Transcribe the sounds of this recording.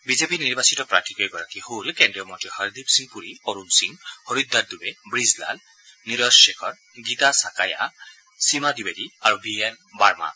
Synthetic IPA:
bizepiniɹbasitɔpɹa̰tʰikɔjɡɔɹakiholkendɹijɔmɔntɹihaɹd̪ipsiŋpuɹioɹunsiŋhoɹud̪ːadubɛbɹizla̰l | niɹɔsʃekʰɔɹ | ɡitasakaja̰ | simadibediaɹubiɛn | baɹma̰

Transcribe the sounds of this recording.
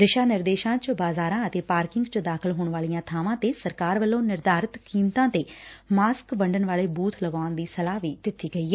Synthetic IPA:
d̪ɪʃaːnɪɾd̪eːʃãːt͡ʃəbaːzaːɾãːət̪eːpaːɾkɪŋɡt͡ʃəd̪aːkʰəlɦoːɳʋaːlijãːt̪ʰaːʋãːt̪eːsəɾkaːɾʋəlːõːnɪɾd̪aːɾət̪kiːmt̪ãːt̪eːmaːskʋəɳɖənʋaːleːbuːt̪ʰləɡãːnd̪iːsəlaːʋiːd̪ɪt̪ːiːɡəiːɛː

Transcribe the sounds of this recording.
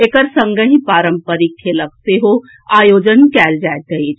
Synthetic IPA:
ekəɾsə̃ŋɡəɦĩpaːɾəmpəɾikʰːelək̚t̪eɦo | aːjoːd͡ʒənkɛːld͡ʒajt̪əit͡ʃʰ

